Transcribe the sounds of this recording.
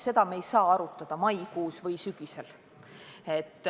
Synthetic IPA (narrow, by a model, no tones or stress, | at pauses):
se̞d̪ɑmejsɑːɑɾut̪ːˑɑd̪̥ɑmɑjkuːsvɤjsyɡ̥ise̞l | e̞t̪ːˑ